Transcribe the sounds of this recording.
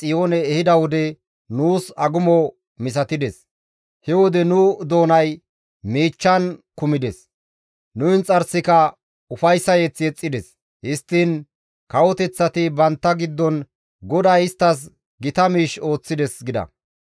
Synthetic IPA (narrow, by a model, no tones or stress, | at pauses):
t͡sʼɪjo̞ːnɛːhɪd̪ɐwɔd̪ɛ | nuːsɐɡʊmɔ | mɪs̬ɐt̪ɪd̪ɛs | hɛwɔd̪ɛnʊd̪o̞ːnɐj | miːt͡ʃːɐnkʊmɪd̪ɛs | nʊɪnt͡sʼɐɾsɪkɐ | ʊfɐjsːɐjɛt͡sːɛt͡sʼːɪd̪ɛs | hɪst̪ːɪn | kɐwɔt̪ɛt͡sːɐt̪ɪbɐnt̪ːɐɡɪd̪ːɔn | ɡɔd̪ɐjɪst̪ːɐs̬ | ɡɪt̪ɐmiːʃo̞ːt͡sːɪd̪ɛsɡɪd̪ɐ̰